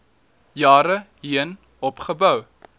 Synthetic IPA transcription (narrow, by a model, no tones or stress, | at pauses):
jɑːɾəɦiən | ɔpχəbœw